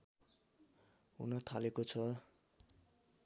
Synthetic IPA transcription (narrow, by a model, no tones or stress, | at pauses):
ṵnʌt̪ʰalekot͡sʰʌ